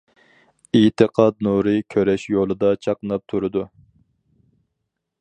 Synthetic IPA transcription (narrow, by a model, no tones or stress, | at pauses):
it̪ʰɨqʰɑt̪̚nuɾɨkʲʰøɾɛʃjolˠɨd̪ɑt͡ʃʰɑqnɑp̚t̪ʰuɾɨd̪u